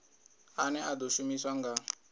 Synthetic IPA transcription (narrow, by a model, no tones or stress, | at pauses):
anɛʔad̪ɔʃumiswaŋɡa